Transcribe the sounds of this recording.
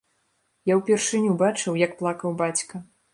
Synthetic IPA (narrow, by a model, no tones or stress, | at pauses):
jawpʲɛrʂɨnʲubat͡ʂɨwjɐk̚plˠakɐwbat͡sʲkɐ